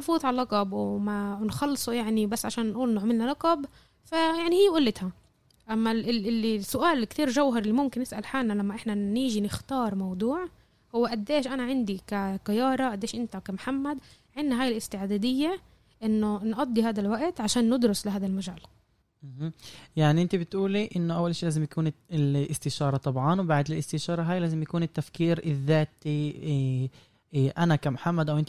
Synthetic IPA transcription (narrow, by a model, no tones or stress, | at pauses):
nfuːd̪ˤʕallːɑqɑbwmanxɑlːsˤujaʕnibasːʕaʃaːnːʔuːlnʊʕmɪlnalɑqɑb | fajaʕnihɪjːʔʊlːɪt̪ha | ʔamːaɪɪlːisːʊʔaːlkt̪iːɾʒawɦɑɾˤɪlːimʊmkɪnːɪsʔalħaːlnalamːaʔɪħnaniːʒinɪxt̪ɑːɾˤmɑwd̪ˤuːʕ | hʊwːeʔad̪ːeːʃʔanaʕɪnd̪ikaqajɑːɾˤɑʔad̪ːeːʃʔɪnt̪akamħamːad̪ | ʕɪnːaɦaːjɪlʔɪst̪ɪʕd̪aːd̪ɪjːa | ʔɪnːʊnʔɑd̪ˤːiɦaːd̪alwaʔt̪ʕaʃaːnːɪd̪ɾʊslɪɦaːd̪almaʒaːl | mhjaʕniʔɪnt̪ibɪt̪ʔuːliʔɪnːʊʔawːalʃiːlaːzɪmjakuːnɪlʔɪst̪ɪʃɑːɾˤɑt̪ˤɑbʕɑnwbaʕd̪ɪlʔɪst̪ɪʃɑːɾˤɑɦaːjlaːzɪmjakuːnɪt̪ːafkiːɾɪðːaːt̪i | ʔanakamħamːad̪ʔawʔɪnt̪